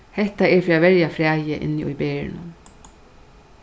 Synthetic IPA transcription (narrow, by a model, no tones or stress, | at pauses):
hɛht̪aɛɹfiːavɛɹjafɾɛːjɪʔɪ̰nːɪʔṵjbɛːɹɪ̰nʊ̰n